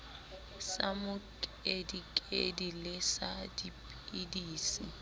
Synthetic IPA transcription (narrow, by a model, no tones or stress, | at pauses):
samʊkʼedikʼedilɪsadipʼidiːsi